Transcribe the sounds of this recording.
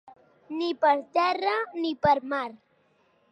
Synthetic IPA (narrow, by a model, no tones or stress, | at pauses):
nɪpaɾt̪eranɪpaɾmaɾ